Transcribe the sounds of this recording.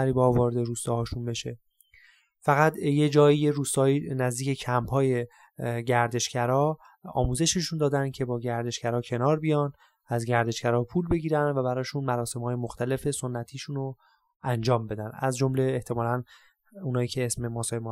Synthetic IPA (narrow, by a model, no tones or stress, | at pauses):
æɾiːbɒvɒːɾed̪eɾuːst̪ɒːhɒːʃunbe̞ʃe̞ | fæɣæt̪jed͡ʒɒːiːjeɾuːst̪ɒːiːnæzd̪iːcʰe̞cʰæmphɒːje̞ | ɟæɾd̪e̞ʃcæɾɒː | ɒ̰ːmuːze̞ʃeʃund̪ɒːd̪æncʰe̞bɒːɟæɾd̪e̞ʃcæɾɒːcʰe̞nɒːɾbijɒːn | æzɟæɾd̪e̞ʃcæɾɒːpʰuːlbeɡiːɾænd̪væbæɾɒːʃunmæɾɒːse̞mhɒːje̞moxt̪ʰæle̞fe̞so̞nːæt̪ʰiːʃuno | ænd͡ʒɒːmbe̞d̪ænæzd͡ʒo̞mleːht̪ʰe̞mɒːlæn | uːnɒːjiːcʰe̞esme̞mɒːsɒːjem